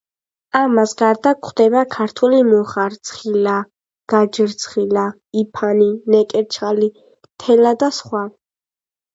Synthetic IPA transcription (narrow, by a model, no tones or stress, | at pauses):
amasɡaɾd̪akʰχd̪ɛbakʰaɾt̪ʰulimɔχaɾt̪sʰχila | ɡ̥ad͡ʒəɾt̪sʰχila | ipʰaninɛkʼɛɾt͡ʃʰχali | t̪ʰɛlad̪asχwa